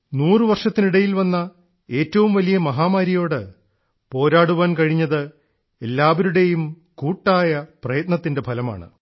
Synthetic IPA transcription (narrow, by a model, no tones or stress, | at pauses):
nuːrɨʋɐrʂɐt̪ːiniɽɐjilʋɐnːɐ | e̞ːtːɐʋumʋɐlijɐmɐɦaːmaːɾijo̞ːɽɨ | po̞ːɾaːɽuʋaːnkɐɻiɲːɐðɨ | e̞lːaːʋɐɾuɽe̞jum | kuːʈːaːjɐprɐjɐt̪nɐt̪ːinde̞bʱɐlɐma̰ːɳɨ̰